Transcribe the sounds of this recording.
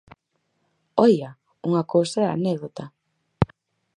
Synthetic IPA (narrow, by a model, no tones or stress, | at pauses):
ɔja | uŋakowsaa̰nɛɣðot̪a